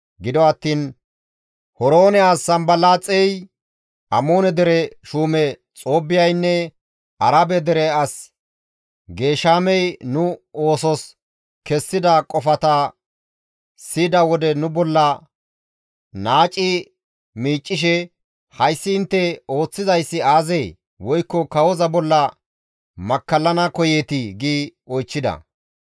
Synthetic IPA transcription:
ɡɪd̪ɔɐt̪ːiːn | hɔɾoːnɛaːsːɐmbɐlaːt͡sʼɛj | ʔɐmo̞ːnɛd̪ɛɾɛʃuːmɛ | t͡sʼo̞ːbɪjɐjnːɛ | ʔɐɾabɛd̪ɛɾɛɐs | ɡe̞ːʃaːmɛjnʊo̞ːsɔs | kɛsːɪd̪ɐkʼɔfɐt̪ɐ | siːd̪ɐwɔd̪ɛnʊbɔlːɐ | naːt͡ʃʼːɪ | miːt͡ʃʼːɪʃ̬ɛ | hɐjsːɪɪnt̪ːɛo̞ːt͡sːɪzɐjsːɪaːzej | wɔjkːɔkɐwɔzɐbɔlːɐ | mɐkːɐlːɐnɐkɔjet̪ɪɡiːɔjt͡ʃːɪd̪ɐ̰

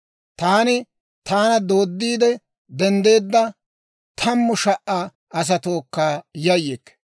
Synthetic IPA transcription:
t̪aːnɪ | t̪aːnɐd̪o̞ːd̪ːiːd̪ɛ | d̪ɛnd̪e̞ːd̪ːɐ | t̪ʰɐmːʊʃɐʔa | ɐs̬ɐt̪o̞ːkːaːjɐjːekː

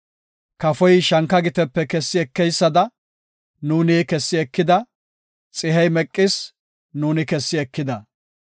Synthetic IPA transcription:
kɐfɔjʃɐŋkːɐɡɪt̪ɛpːɛkɛsːɪɛkːɛjsːɐd̪ɐ | nuːniːkɛsːɪɛkːɪd̪ɐ | t͡sʼɪɦɛjmɛkʼːɪs | nuːnɪkɛsːɪɛkːɪd̪ɐ

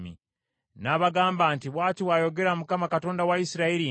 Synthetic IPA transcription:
mḭ | naβaɡaːmbaːntiβwaːtiwaːjo̞ɡe̞ɾamukamakato̞ːndawaisiɾaiɾi

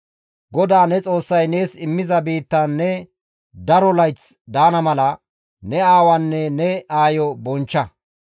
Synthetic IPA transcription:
ɡɔd̪aːnɛt͡sʼo̞ːsːɐjne̞ːsɪmːɪzɐbiːt̪ːɐːɛ | d̪ɐɾɔlɐjt͡s | d̪aːnɐmɐlɐ | nɛaːwɐnːɛnɛaːjɔbɔnt͡ʃːɐ

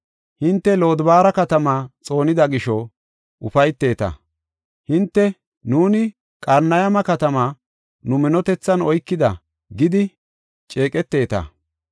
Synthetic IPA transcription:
hɪnt̪ːɛlo̞ːd̪baːɾɐkɐt̪ɐmaːt͡sʼo̞ːnɪd̪ɐɡɪʃɔ | ʔʊfɐjt̪ːe̞ːt̪ɐ̰ | hɪnt̪ːɛ | nuːnɪ | kʼɐɾnɐjɐmɐkɐt̪ɐmaː | nʊmɪnɔt̪ɛt͡sːɐnɔjkːɪd̪ɐ | ɡɪd̪ɪ | t͡ʃʼeːkʼɛt̪ːe̞ːt̪ɐ̰

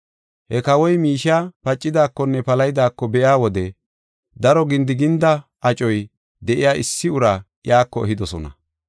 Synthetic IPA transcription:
hɛkɐwɔjmiːʃapɐt͡ʃʼːɪd̪aːkːɔnːɛpɐlɐjd̪aːkːɔbɛʔjaːwɔd̪ɛ | d̪ɐɾɔɡɪnd̪ɪɡɪnd̪ɐʔɐt͡ʃʼɔj | d̪ɛʔɪjaːʔɪsːɪʊɾa | jaːkːɔɛ̰ɦɪd̪ɔsɔnɐ̰

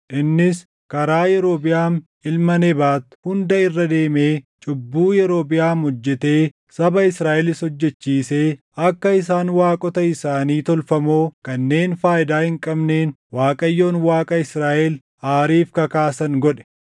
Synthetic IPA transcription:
ʔɪnːɪs | kɐɾaːjɛɾo̞ːbɪjaːn | ɪlmɐnɛbaːt̪hʊnd̪ɐɪrːɐd̪e̞ːmeːt͡ʃʼʊbːuːjɛɾo̞ːbɪjaːnɔd͡ʒːɛt̪e̞ː | sɐbɐɪsɾaːʔɛlɪshɔd͡ʒːɛt͡ʃːiːse̞ː | ɐkːɐɪs̬aːnwaːkʼɔt̪ɐɪsaːniːt̪ɔlfɐmo̞ːkɐnːe̞ːnfaːʔɪd̪aːhɪŋkʼɐbneːnwaːkʼɐjːo̞ːnwaːkʼɐɪsɾaːʔɛl | aːɾiːfkɐkaːsɐŋɡɔᶑɛ̥

